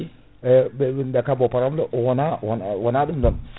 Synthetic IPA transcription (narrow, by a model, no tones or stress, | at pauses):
bndakabopaɾamloʔwɔnawnwanadumdam